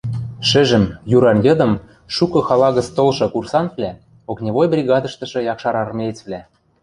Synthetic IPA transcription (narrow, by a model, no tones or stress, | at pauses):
ʃɘ̆ʒɘ̆mjuɾɑnjɤ̆d̪ɤ̆m | ʃukɤ̆xɑlɑɣə̆t͡st̪olʃɤ̆kursɑnvlʲæ | oknʲeβojbrʲiɣɑd̪ɤ̆ʃt̪ɤ̆ʃɤ̆jɑkʃɑɾɑrmʲet͡svlʲæ